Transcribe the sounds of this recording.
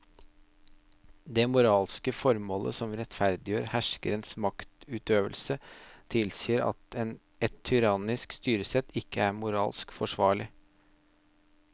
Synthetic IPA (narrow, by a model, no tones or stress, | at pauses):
d̪eːmʊɾɑːlskəfɔɾmoːlʔə̰sɔmɾɛt̪fæɾd̪ɪjøːɾhæʂkəɾənsmɑkt̪ʉːt̪øːʋəlsət̪ʰɪlsiːəɾɑ̰t̪ɛn | ɛt̪ʰːʏɾɑːnɪskst̪yːɾəsɛt̪ɪkːəæɾmʊɾɑ̰ːlskfɔʂʋɑːɭɪ